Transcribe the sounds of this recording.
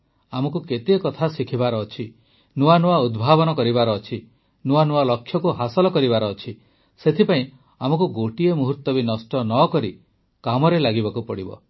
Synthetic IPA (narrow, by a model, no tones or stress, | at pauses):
amɔkuket̪ekɔt̪ʰasikʰibaɾɔːt͡ʃʰi | nuanuaud̪bʱabɔnɔkɔɾibaɾɔːt͡ʃʰi | nuanualɔkʰjɔkuɦasɔlɔkɔɾibaɾɔːt͡ʃʰi | set̪ʰipaĩ | amɔkuɡoʈiemuɦuɾt̪ɔbinɔsʈɔnɔkɔɾi | kamɔɾelaɡibakupɔɽibɔ̰